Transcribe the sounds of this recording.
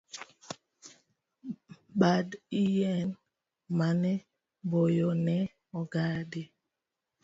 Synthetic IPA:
ɓadijɛn | manɛ | bɔjɔnɛ | ɔɡade

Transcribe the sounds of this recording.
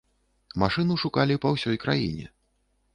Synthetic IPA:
maʂɨnuʂukalʲipɐwsʲɔjkɾa̰jḭnʲɛ̰

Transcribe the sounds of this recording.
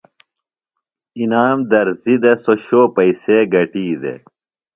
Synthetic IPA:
inaːmd̪ɐɾzid̪esoɕoːpɐiseɡɐʈiːd̪ḛ

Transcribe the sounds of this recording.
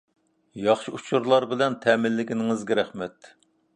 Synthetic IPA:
jɑχʃiut͡ʃʰuɾlˠɑɾbɪlɛnt̪ʰɛːmɪlːɪkʲinɪŋɨzɡʲɛɾɛχmɛt̪

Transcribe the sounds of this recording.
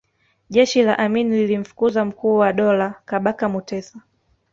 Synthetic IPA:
ʄɛʃilaʔaminililim̩fu̥kuzam̩kuːwaɗɔlakaɓakamutɛsa

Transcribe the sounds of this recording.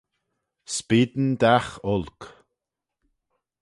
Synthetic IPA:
spiːd̪n̩d̪axɔlk

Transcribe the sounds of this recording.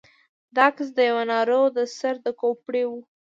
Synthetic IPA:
d̪ɑks̬d̪əjawanɑɾod̪əsaɾd̪əkopɽewu

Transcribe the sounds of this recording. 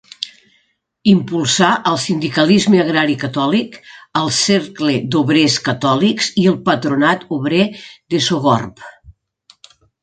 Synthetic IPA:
impulˠsaʔəlˠsind̪ikəlizmeəɣɾaɾikət̪ɔlikəlˠsɛɾkled̪oβɾeskət̪ɔliksiəlˠpət̪ɾunat̪uβɾeðəsoɣɔ̰rp

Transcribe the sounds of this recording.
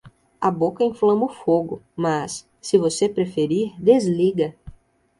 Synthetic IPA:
ɐbokɐẽflɐ̃mʊfoɡʊ | mɐsː | ɪvosepɾefeɾiɾd̪ezliɡɐ

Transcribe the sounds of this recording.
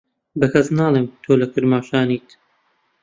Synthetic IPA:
bɐxɐznaːlemt̪ʰoːlɐkɨɾmaːʃaːniːt̪

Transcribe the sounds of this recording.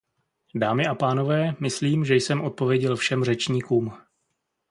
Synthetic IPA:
daːmɪʔapaːno̞vɛːmɪsliːmʒɛjsɛmʔo̞t̪̚po̞vjɛɟɛlfʃɛmr̝ɛt͡ʃɲiːkuːm

